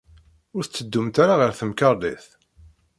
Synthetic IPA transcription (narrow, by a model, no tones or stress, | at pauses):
ʊɾθt͡sːəd̪ːumt̪aɾaʁəɾθəmkɑɾˤlḭθ